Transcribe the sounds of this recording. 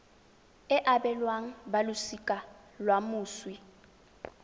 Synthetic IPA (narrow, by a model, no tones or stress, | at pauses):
ɪʔabɛlwaŋ̩balʊsikʼa | lwamʊːswi